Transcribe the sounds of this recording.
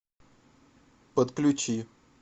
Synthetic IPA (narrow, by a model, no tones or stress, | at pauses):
pət̪klʲʊt͡ɕi